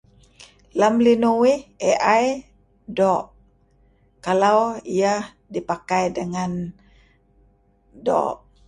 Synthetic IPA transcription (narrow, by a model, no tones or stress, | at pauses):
lamlinuwɪheʔaj | dɔʔ | kalawiah | dipakajdəŋan | dɔ̰ʔ